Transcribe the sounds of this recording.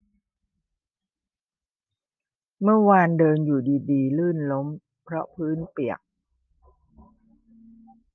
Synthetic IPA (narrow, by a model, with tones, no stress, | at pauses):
mɯ˥˩ɐwaː˧ndɤː˧njuː˨˩diː˧diː˧lɯː˥˩nlo˦˥m | pʰɾɔ˦˥pʰɯː˦˥npi˨˩ək̚